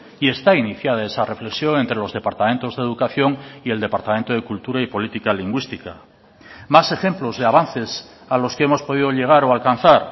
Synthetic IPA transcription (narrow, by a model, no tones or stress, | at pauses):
ie̞st̪ainiθjað̞ae̞sare̞fle̞ksjo̞ŋe̞nt̪ɾe̞lo̞zðe̞paɾt̪ament̪o̞zðeðukaθjo̞ŋie̞ld̪e̞paɾt̪ament̪o̞ð̞e̞kult̪uɾaipo̞lit̪ikaliŋɡwist̪ika | mase̞xe̞mplo̞zðe̞aβanθe̞s | alo̞skee̞mo̞spo̞ðiðo̞ʎe̞ɣ̞aɾoalkanθaɾ